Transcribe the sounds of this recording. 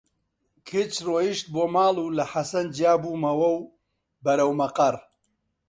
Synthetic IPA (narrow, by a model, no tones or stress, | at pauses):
kʰit͡ʃroːjiʃt̪̚boːmaːlˠuːlɐħasɐnd͡ʒijaːbuːmɐwɐw | bɐɾɐwmɐqɐr